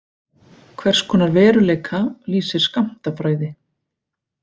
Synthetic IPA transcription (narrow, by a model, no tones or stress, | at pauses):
kʰvɛr̥skʰɔnːaɾvɛːɾʏleːjkʰaliːsɪɾ̥skam̥t̪afɾaːɥðɪ